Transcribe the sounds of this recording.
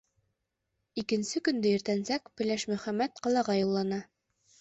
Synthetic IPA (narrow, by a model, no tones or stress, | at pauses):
ikɘ̆nsɘkɵ̆nd̪ɘɘ̆ɾt̪ænsækpɘ̆læʃmɵ̆χæmːæt̪̚qɑ̆lˠɑʁɑjulˠːɑnɑ